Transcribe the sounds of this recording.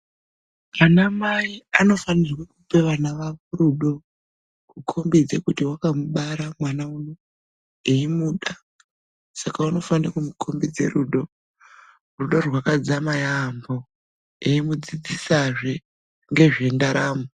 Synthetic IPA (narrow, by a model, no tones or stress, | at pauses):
anamaiano̞fanirwakupe̞ʋanaʋaʋoɾuɗo̞ | kukʰo̞mbid͡zekutiwakamuɓaɾamwanauno | eimuːɗa | sakauno̞fankumukʰo̞mbid͡ze̞̰ɾuɗo̞ | ruɗo̞rwakad͡zamajambo̞ | eimud͡zid͡zisaʐe | ŋɡe̞ʐe̞ndaɾaːmo